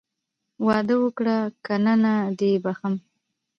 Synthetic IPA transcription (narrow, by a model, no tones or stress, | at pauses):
wɑd̪əwəkɽakananad̪ebaxəm